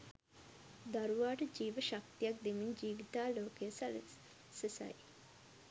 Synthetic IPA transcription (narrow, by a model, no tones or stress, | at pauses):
d̪aɾuʋaːʈəd͡ʒiːʋəʃak̚t̪ijak̚d̪emiɲd͡ʒiːʋit̪aːloːkejəsal | sesa̰j